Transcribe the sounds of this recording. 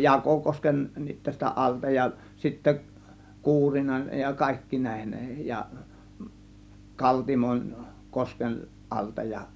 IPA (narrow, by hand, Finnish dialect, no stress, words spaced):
nit tæstæ ʔɑltɑ jɑ sitːæ kuːrinɑn jɑ kɑˑe̝kːiːn næˑe̝hen jɑ kɑltimon kosken ʔɑltɑ jɑ